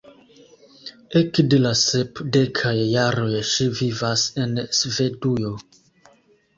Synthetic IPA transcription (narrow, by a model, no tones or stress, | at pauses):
ekde̞lasepde̞kʰajːaɾo̞jʃivivase̞nsve̞dujo̞